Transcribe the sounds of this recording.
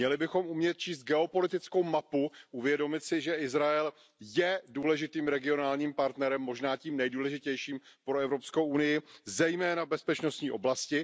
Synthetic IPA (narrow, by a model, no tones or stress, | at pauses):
ɲɛlɪbɪxo̞mumɲɛt̪̚t͡ʃiːst̪̚ɡɛo̞po̞lɪt̪ɪt͡sko̞wmapuʔuvjɛdo̞mɪt̪sɪʒɛʔɪzɾaɛl | jɛduːlɛʒɪt̪iːmɾɛɡɪo̞naːlɲiːmpaɾt̪nɛɾɛmːo̞ʒnaːciːmnɛjduːlɛʒɪcɛjʃiːmpɾoɛvɾo̞pskowʔunɪjɪzɛjmɛːnabɛspɛt͡ʃno̞st̪ɲiːʔo̞̰blascɪ